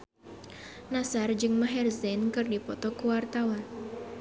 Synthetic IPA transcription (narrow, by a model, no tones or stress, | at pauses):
nasard͡ʒɨŋmaɦɛrzɛnkɨrdipɔt̪ɔkuwart̪awan